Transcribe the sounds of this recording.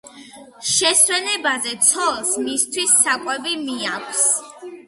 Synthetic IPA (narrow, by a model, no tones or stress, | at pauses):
ʃɛswɛnɛbazɛt̪sʰɔlˠsmist̪ʰwisːakʼwɛbimiakʷʰs